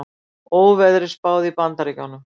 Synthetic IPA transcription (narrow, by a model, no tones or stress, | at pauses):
oːwvɛðɾɪspaːwðipant̪aɾicanːʏm